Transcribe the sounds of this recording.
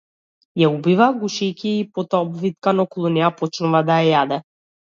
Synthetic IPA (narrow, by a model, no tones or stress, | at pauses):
jaubivaɡuʃejkʲiipɔt̪ɔaɔbvit̪̚kanɔkɔlˠunɛapɔt͡ʃnuvad̪ajajad̪ɛ